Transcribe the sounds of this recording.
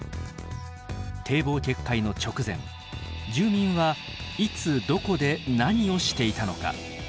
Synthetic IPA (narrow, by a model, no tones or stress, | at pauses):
t̪ʰe̞ːbo̞ːkʲe̞kʰːaino̞t͡ɕo̞kɯ̟zẽ̞̰ŋ | d͡ʑɨːmʲĩɰ̃βa | it͡sɨd̪o̞ko̞d̪e̞naɲ̟io̞ɕi̥t̪e̞it̪ano̞̰ka̰